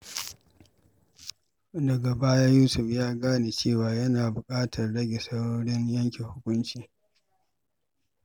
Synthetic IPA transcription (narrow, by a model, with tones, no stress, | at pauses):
dɐ˨ɡa˨baː˦ja˦juː˦sʊ˨ɸjaː˦ɡaː˦neː˨t͡ʃeː˦˨waː˨jɐ˦naː˨bʊ˨kʼaː˦tʰɐ˨rɽɐ˦ɡʲe˨sɐ˦wɽːɽɪ˦ɲjɐ˦ŋkʲe˨hʊ˦kʷʊ˦nt͡ʃiː˨